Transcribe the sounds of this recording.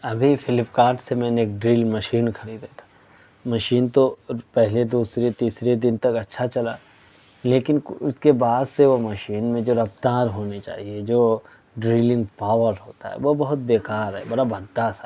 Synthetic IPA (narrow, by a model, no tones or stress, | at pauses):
ɐbʱifʰɪlɪpkaːɾʈsemɛ̃ːneeːk̚ɖɾiːlmɐʃiːnkʰɐɽid̪et̪ʰḁ | mɐʃiːnt̪opɛɦled̪uːsɾet̪iːsɾed̪ɪnt̪ɐkɐtːʃʰat͡ʃɐlaː | leːkɪnʊskebaːd̪seʋomɐʃiːnmẽd͡ʒoːɾɐft̪aːɾɦoːnit͡ʃa̰ːɦied͡ʒoː | ɖɾiːlɪ̃ŋɡpaːʋəɾɦoːt̪a̰ɦɛ̰ʋobɐɦʊt̪̚beːkaːɾɦɛ̰bɐɽabɐd̪ːasa